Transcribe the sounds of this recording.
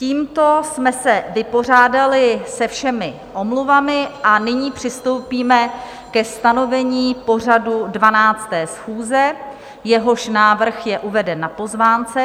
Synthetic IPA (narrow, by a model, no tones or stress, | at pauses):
ciːmt̪o̞smɛsɛvɪpo̞r̝aːdalɪsɛfʃɛmɪ | ʔo̞mluvamɪʔanɪɲiːpr̝̥ɪst̪o̞wpiːmɛ | kɛst̪ano̞vɛɲiːpo̞r̝adudvanaːt͡st̪ɛːsxuːzɛ | jɛɦo̞ʃnaːvr̩xjɛʔuvɛdɛnːapo̞zvaːnt͡sɛ